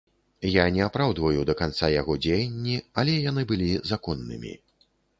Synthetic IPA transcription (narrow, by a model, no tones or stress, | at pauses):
janʲɛapɾawd̪vɐjud̪ɐkant̪sajaɣɔd͡zʲejɐnʲːialʲɛjanɨbɨlʲizakɔnːɨ̰mʲḭ